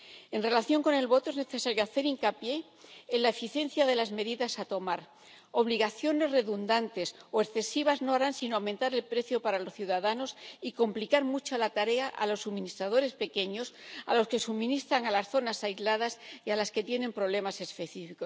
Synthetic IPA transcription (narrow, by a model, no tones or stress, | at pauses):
e̞nre̞laθjo̞ŋko̞ne̞lβo̞t̪o̞ezne̞θe̞saɾjoaθe̞ɾiŋkapje̞ː | nlae̞fiθje̞n̟θjaðe̞lazme̞ðiðasat̪o̞maɾ | oβ̞liɣ̞aθjo̞ne̞zre̞ðund̪ant̪e̞soe̞sθe̞siβ̞azno̞aɾansinoawme̞nt̪aɾe̞lpɾe̞θjo̞paɾalo̞sθjuðaðano̞siko̞mplikaɾmut͡ʃalat̪aɾe̞aʔa̰lo̞sːumĩnist̪ɾað̞o̞ɾe̞spe̞ke̞ɲo̞sa̰lo̞ske̞sumĩnist̪ɾaŋalasθo̞nasaizlað̞asialaske̞t̪je̞nẽ̞mpɾo̞β̞le̞mase̞spe̞θifikos